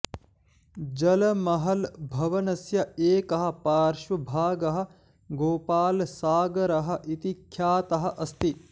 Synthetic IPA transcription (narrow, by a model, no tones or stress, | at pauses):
d͡ʒɐlɐmɐɦɐlbʱɐʋɐnɐsjɐeːkɐɦɐ̆paːɾʃʋɐbʱaːɡɐɦɐ̆ | ɡoːpaːlsaːɡɐɾɐɦɐ̆ʔit̪ikʰjaːt̪ɐɦɐ̆ʔɐst̪i